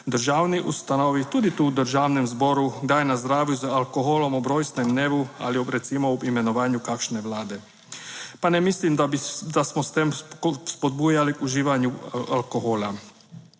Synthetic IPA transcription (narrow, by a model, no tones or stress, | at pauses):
d̪əɾʒaːwniʔust̪anoːʋit̪uːd̪it̪uud̪əɾʒaːwnɛmzboɾud̪aːjnazd̪ɾaːʋjuzaalkoɦolɔmɔbɾojsnɛmd̪neːʋua̰liɾɛt̪simɔuimenɔʋaːnjukakʃnɛʋlaːd̪ɛ | panɛmislimd̪ad̪asmɔst̪emspod̪̚bujalikuʒiːʋaɲjualkoɦola